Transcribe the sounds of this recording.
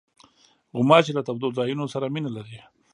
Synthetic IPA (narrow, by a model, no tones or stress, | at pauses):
ɣʊmɑt͡ʃelat̪abd̪olzɑjunosaɾaminalaɾi